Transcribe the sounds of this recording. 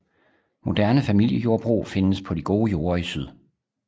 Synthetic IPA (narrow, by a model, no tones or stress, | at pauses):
mo̝d̥æɐnəfæmil̰jəjo̝ɐb̥ʁṵːfe̝nəspʰɒ̽d̥iɡ̥o̝ːjo̝ːɐisyð̞̰ˠ